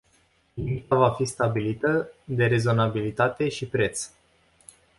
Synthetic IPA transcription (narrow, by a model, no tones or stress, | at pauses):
limt̪avafist̪abilit̪əd̪e̞ɾe̞zo̞nabilit̪at̪e̞ʃipɾe̞t̪s